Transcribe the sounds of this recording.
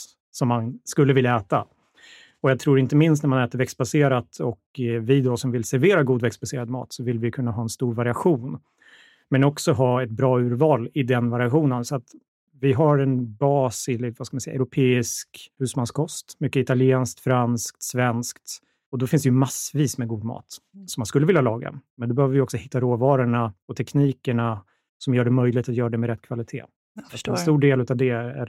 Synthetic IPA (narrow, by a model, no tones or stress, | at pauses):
sɔmːanskɵlːəvɪljaɛːt̪a | ɔjat̪ʰɾuːɾɪnt̪əmɪnst̪næmanɛːt̪əɾvɛkst̪̚baseːɾat̪ɔkvɪd̪ɔsɔmvɪlsæɾveːɾaɡuːd̪vɛkst̪̚baseːɾad̪mɑ̰ːt̪sɔvɪlvɪjkʰɵnːaɦɑːɛnst̪uːɾvaɾɪaɧuːn | mɛnɔksɔɦɑːɛt̪̚bɾɑːʉ̟ːɾvɑːlɪd̪ɛnvaɾɪaɧuːnənsɔat̪ | vɪɦaɾɛnbɑːsɪlvaskamansɛj̰ːaɛʉɾʊpʰeːɪskhʉ̟ːsmanskʰɔst̪mʏkːəɪt̪alɪeːnskt̪fɾansk̚t̪svɛnskt̪ | ɔd̪ɔfɪnsd̪ɛjɵmasviːsmɛɡuːd̪mɑ̰ːt̪ | sɔmːanskɵlːəvɪljalɑːɡa̰mɛnd̪ɔbɛhøːvəvɪjɔksɔhɪt̪ːaɾoːvɑːɾəɳaɔt̪ʰɛkniːkəɳa | sɔmjœːɖɛmœjlɪɡt̪at̪jœːɾaɖ̪ɛmɛɾɛt̪ːkʰvalɪt̪ʰḛː | at̪ɛst̪uːɖeːlʉ̟ːt̪avd̪ɛæ̰